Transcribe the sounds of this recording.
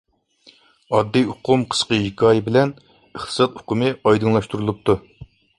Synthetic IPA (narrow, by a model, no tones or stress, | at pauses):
ɑd̪ːijʊqʰumqʰə̥sqəɦikʰɑːjɪbɪlɛn | əχt̪ʰɨ̥sɑt̪̚ʊqʰumɨɑjd̪ɨŋlˠɑʃt̪uɾulˠup̚t̪ʰu